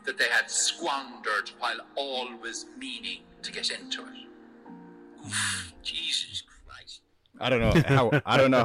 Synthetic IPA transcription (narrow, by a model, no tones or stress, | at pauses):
ðət̪̚ðeɪəd̥skwɔ̃ndə˞d̚waɪlˠɔːlˠwɪzmĩːnɪ̃ŋtʰəɡɛɾɪ̃ntʰuɪ̰t | ufd͡ʒiːzəskʰɹ̥a̰ɪs | a̰ɪdɾõʊ̃nːohaʊaɪdõʊnːo